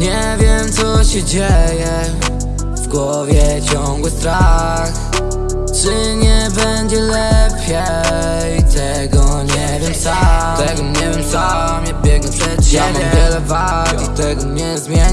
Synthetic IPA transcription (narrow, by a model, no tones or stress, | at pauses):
ɲɛ | vʲjɛmt̪sɔɕɛd͡ʑɛjɛ | vɡwɔ | vʲjɛt͡ɕɔŋɡwɨst̪ɾa | x | ʐɪ | ɲɛbɛɲd͡ʑɛlɛpʲʰjɛ | t̪ʰɛ | ɡɔɲɛvʲjɛmsat̪ɛɡɔɲɛvjɛmsa | mɲɛbʲjɛɡɔɛjamɔnvɛlɛva | t̪it̪ɛɡɔɲɛzmʲjɛɲ